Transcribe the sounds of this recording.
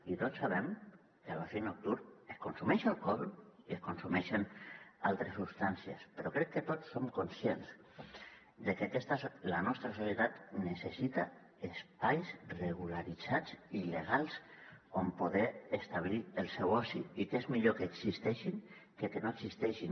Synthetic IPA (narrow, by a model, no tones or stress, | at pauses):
it̪otsːaβ̞ɛm | keaβafenok̚t̪uɾeskonsumɛʃlˠkɔlieskonsumɛʃenalˠt̪ɾesupst̪ansiḛspeɾɔkɾɛkkːet̪osːomkonsjenz | d̪ekeakɛst̪aslanɔst̪ɾasosjet̪at̪nesesit̪a | espajzreɣ̞ulaɾid͡zad͡zileɣ̞alˠzompoðɛːst̪aβlielˠsɛwɔsiikezmiʎokeːksist̪ɛʃiŋ | kekenoeksist̪ɛʃin